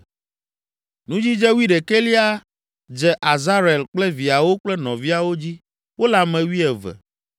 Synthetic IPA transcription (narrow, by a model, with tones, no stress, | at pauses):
nũ˦d͡ʑi˦d͡ʒɛ˦wu˦i˦ɖe˨ke˦li˦a˦ | d͡ʒɛ˦ʔa˨za˦ɾe˨lk͡plɛ˦vi˨a˨wo˦k͡plɛ˦nɔ̃˨vi˦a˨wo˦d͡ʑi˦ | wo˦la˨mɛ̃˨wi˦ɛ˨vɛ̰˨